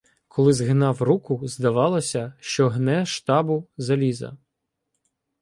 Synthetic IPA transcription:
kʰɔlˠɪzɦɪnɑwrukʊzd̪ɐʋɑlˠɔsʲɐʃt͡ʃɔɦnɛʃt̪ɑbʊzɐlʲizɐ̰

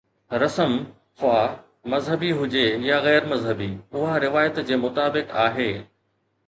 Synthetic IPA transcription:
ɾɐsəm | fʊaː | mɐzɦəbiɦʊd͡ʑejaɣɛːɾmɐzɦəbiːʊɦaɾɪʋaːjət̪d͡ʑeːmʊt̪aːbɪkaːɦeː

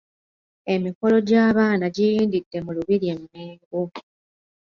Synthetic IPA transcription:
e̞miko̞lo̞ɟaːβaːnaɟijiːndidːe̞muluβiɾiemmeːɡu

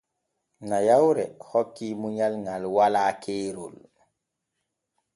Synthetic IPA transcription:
najawɾɛ̰hɔkːimuɲalŋalwalaːkʰeːɾṵl

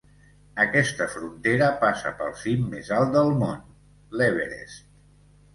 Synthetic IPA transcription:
əkɛst̪əfɾunt̪eɾəpasə̰pə̰lˠsimːezalˠt̪̚d̪əlˠmon | lɛβḛɾḛs

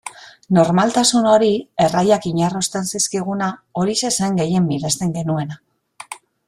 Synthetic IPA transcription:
no̞ɾmalt̪asuno̞ɾie̞rajakiɲarust̪e̞nsiskiɣ̞unao̞ɾise̞se̞ŋɡe̞je̞mbiðe̞st̪e̞ŋɡe̞nue̞na

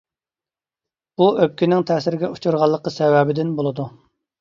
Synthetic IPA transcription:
buøp̚kʲinɪŋt̪ʰɛːsɪɾɪɡʲɛut͡ʃʰuɾʁɑlˠːəqəsɛwɛbɪd̪ɪnbolˠɨd̪u

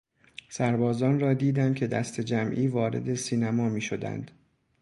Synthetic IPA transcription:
sæɾbɒːzɒːnrɒːd̪iːd̪ænd̪̚cʰe̞d̪æst̪ʰe̞d͡ʒæmʔiːvɒːɾe̞̰d̪e̞siːnæmɒːmiːʃo̞d̪æ̰nd̪̥

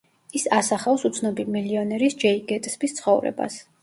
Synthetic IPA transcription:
isasaχafsut̪sʰnɔbimiliɔnɛɾisd͡ʒɛiɡɛt̪ʼsbist̪sʰχɔvɾɛ̰ba̰s

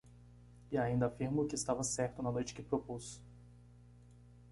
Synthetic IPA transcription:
ɪaĩnd̪ɐafiɾmokɪːst̪avɐsɛɾt̪ʊnɐnojt͡ʃɪ̥kɪpɾopusʊ̥

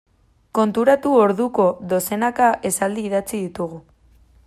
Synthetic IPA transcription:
ko̞nt̪uɾat̪uo̞ɾðuko̞ðo̞se̞nakaʔe̞sald̪iːðat͡siðit̪uɣ̞u

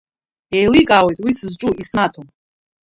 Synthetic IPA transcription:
ejlikʼawejt̪ʼwisɨzʈ͡ʂʼuʔisnatʰom

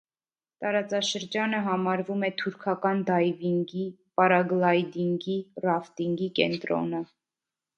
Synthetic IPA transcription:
t̪ɑɾɑt͡sɑʃəɾd͡ʒɑnəɦɑmɑɾvumɛt̪ʰuɾkʰɑkɑnd̪ɑjviŋɡi | pɑɾɑɡlɑjd̪iŋɡirɑft̪iŋɡikɛ̰nt̪ɾɔ̰nə

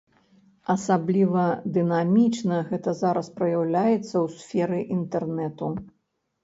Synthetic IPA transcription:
ɐsablʲivɐd̪ɨnamʲit͡ʂnɐɣɛt̪ɐzaɾɐspɾɐjawlʲajɛt̪sːɐwsʲfʲɛɾɨʔint̪ɛrnɛt̪u

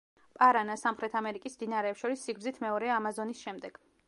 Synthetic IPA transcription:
pʼaɾanasamχɾɛt̪ʰamɛɾikʼismd̪inaɾɛːpsʃɔɾisːiɡɾd̪zit̪ʰmɛɔɾɛamazɔnisʃɛmd̪ɛɡ̥

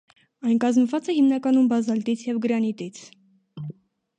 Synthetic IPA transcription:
ɑjnkɑzmvɑt͡sɛhimnɑkɑnumbɑzɑlt̪it͡sʰjɛvɡəɾɑnit̪it͡sʰ

